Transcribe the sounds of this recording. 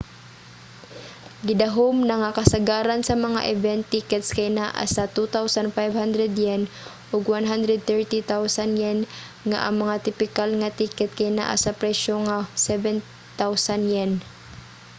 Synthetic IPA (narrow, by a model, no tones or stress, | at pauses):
ɡɪd̪ɐɦomnɐŋakɐsɐɡaːɾansɐmɐŋa̰ʔɪvɛnt̪ːɪkɛt̪skɐjnaʔa̰sat̪ut̪awsanfajvhand̪ɾɛd̪jɛn | ʔʊɡwanɦand̪ɾɛd̪̚t̪ɛɹt̪it̪awsanjɛn | ŋa̰ʔɐ̰ŋmɐŋat̪ɪpɪkalŋat̪ikɛt̪̚kɐjna̰ʔa̰sɐpɾɛʃoŋasɛvɛn | t̪awsanjɛn